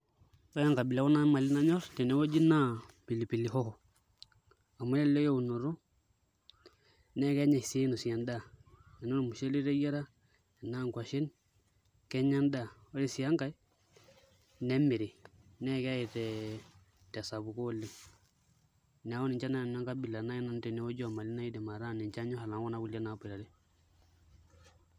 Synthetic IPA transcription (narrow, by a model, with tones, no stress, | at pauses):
sa˦ja˦ŋka˨bɪ˨la˦kɔ˦na˦ma˨lɪ˦na˦ɲɔ˦ɾtɛ˨nɛ˦o˦d͡ʒi˦na˦pi˨li˨pi˨li˨hɔ˦hɔ˨ | a˨mu˦lɛ˦le˦jo˦u˨no˨ɾo˦ | nɛ˦kɛ˦ɲɛ˨sɪ˦no˨si˨a˨nda˦˨ɛ˨no˦n˨mu˨ʃe˦li˦ɾe˦ja˦ɾa˦˨ | naː˦˨ŋkwa˨ʃe˦n | kɛ˦ɲa˦nda˦˨o˦le˦˨si˨a˦ŋka˦j | nɛ˦mɪ˨ɾi˨nɛ˦˨kɛ˦ji˨tɛ˨ | tɛ˨sa˨bu˨ko˦lːe˦ | n˨a˦wɔ˦nɪ˨ɲt͡ʃa˦na˦˨a˦ŋka˦bi˨la˨na˦jɛ˦na˦n˦tɛ˨ne˦wo˦d͡ʒɔ˨ma˨li˦na˦i˦de˨ma˨ɾa˦˨nɛ˨t͡ʃa˦ɲo˦ha˨la˨ŋwɔ˦na˦ku˨lja˦na˨˦pe˨a˨de˦